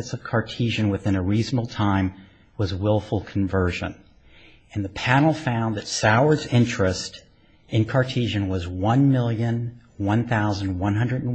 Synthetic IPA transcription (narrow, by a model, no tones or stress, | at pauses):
ɨtsʌv̥kʰɑɹtʰiʒɨ̃nwɨθɪ̃nəɹiznəbl̩ˠtʰãɪ̃m | wʌzwɪlˠfl̩ˠkʰɱvɜ˞ʒɨ̰̃ñ | nðɨpʰænl̩ˠfãʊ̃nðɨtsaʊə˞dzɪ̃nt͡ʃɹ̥ɨst | ɨ̃nkʰɑɹtʰiʒɨ̃nwʌzwʌ̃nmɪlˠjɨ̃n | wʌ̃nθaʊz̃n̩dwʌ̃nɦʌ̃ndɹɨɾn̩